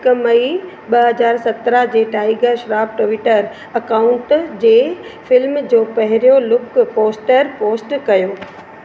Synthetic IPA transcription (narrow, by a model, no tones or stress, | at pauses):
kmɐi | ɓɐɦɐzaːɾsɐt̪ɾəɦd͡ʑeːʈaːɪɡəɾʃɾaːp̚ʈoʋɪʈəɾ | ɐkaːʊ̃ɳʈd͡ʑeːfɪlmd͡ʑoːpɐɦɪɾijolʊkpoːsʈəɾpoːsʈkɐjoː